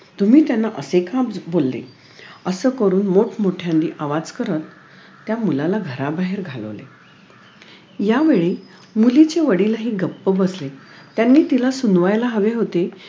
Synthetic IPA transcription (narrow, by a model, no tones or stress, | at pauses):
t̪um̤iːt̪janːaʔəsekʰãbolːḛ | əsəːkəɾuːnmoʈʰmoʈʰjãnd̪iːʔaʋad͡zkəɾət̪ː | jamulalaɡʱəɾabaɦeɾɡʱalə̰ʋlḛ | jaʋeɭiː | mulit͡ɕeʋəɽilaɦiːɡəpːəbəsle | t̪janːiːt̪ilasunʋajlaɦəʋeɦot̪e